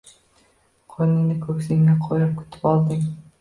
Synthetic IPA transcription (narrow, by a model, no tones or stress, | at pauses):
qʰojnɪnɪkʲʰɵkʲsɪŋnɪqʰojɾɑp̚kʰɵ̥t̪ʰɪ̥pɒlˠd̪ɪŋ